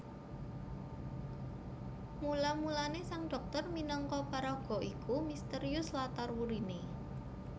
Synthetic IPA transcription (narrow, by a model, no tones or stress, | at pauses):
mulamulanesaŋɖ̥ɔ̤k̚t̪ɔrminɔŋkɔpaɾɔɡ̥ɔ̤ʔikumist̪əɾiʊslat̪arwuɾine